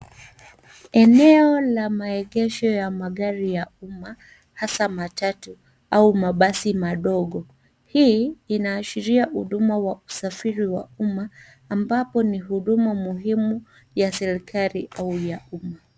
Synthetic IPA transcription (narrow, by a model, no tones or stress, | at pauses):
ɛnɛɔlamaɛɠɛʃɔjamaɠaɾijauma | hasamatatu | aumaɓasimaɗɔɠɔ | hiinaːʃiɾiahuɗumawausafiɾiwa̰umaː | mbapɔniɦuɗumamuɦimu | jasɛɾikʰaɾiʔaujauma